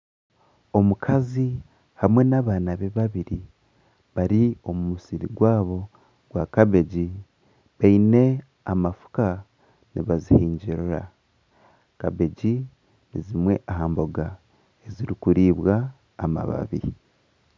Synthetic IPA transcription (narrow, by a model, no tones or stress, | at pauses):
o̞mukʰazi | hamwe̞naβaːnaβe̞βaβiɾi | βaɾio̞mumusiɾḭɡwaːβo̞ | ɡ̥wakaβe̞ɟi | βaine̞ | amafu̥ka | niβazihiːɲɟiɾuɾa̰ | kaβe̞ɟi | nizimwe̞ʔaɦaːmbo̞ɡa | eziɾikuɾiːβwaː | ma̰βa̰βḭ